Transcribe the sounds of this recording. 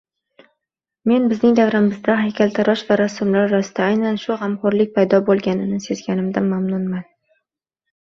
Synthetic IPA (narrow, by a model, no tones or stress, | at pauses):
me̞nbɪznɪŋd̪avɾɪmɪzd̪aɦajkʲalt̪ʰaɾɒʃvaɾasʊmlaɾɾasɪd̪aajnanʃʊɦamqɒɾlɪk̚ʲpʰajd̪ɒbolˠɡʲanɪnɪse̞zɡʲanɪmd̪amamnʊnman